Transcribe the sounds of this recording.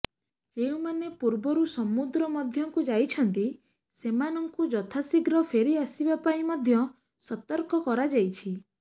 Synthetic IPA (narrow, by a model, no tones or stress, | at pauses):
d͡ʒeũmanepuɾbɔɾusɔmud̪ɾɔmɔd̪ʱjɔŋkud͡ʒajt͡ʃʰɔnt̪i | semanɔŋkud͡ʒɔt̪ʰasiɡɾɔpʰeɾiasibapaĩmɔd̪ʱjɔ | sɔt̪ɔɾkɔkɔɾad͡ʒajt͡ʃʰi